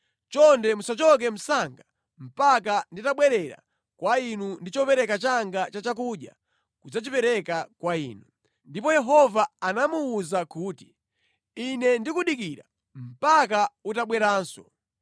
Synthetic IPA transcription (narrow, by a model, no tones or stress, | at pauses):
t͡ʃɔndɛmusat͡ʃɔk̬ɛm̩saŋɡa | m̩pak̬anditaɓwɛɾɛɾa̰ | kwainundit͡ʃɔpɛɾɛkat͡ʃaŋɡat͡ʃat͡ʃak̬uɗja̰ | kud͡zat͡ʃipɛɾɛkakwaḭːnu | ndipɔjɛɦɔvaːnamuːzakuːti̥ | inɛndikuɗikiɾa̰ | m̩pakautaɓwɛɾaːnsɔ̰